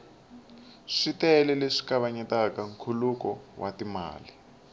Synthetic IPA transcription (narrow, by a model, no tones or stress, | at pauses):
ʂitɛlɛleʂi̥kaβaɲɛtakaŋ̩kʰulukɔwʔatima̰ːli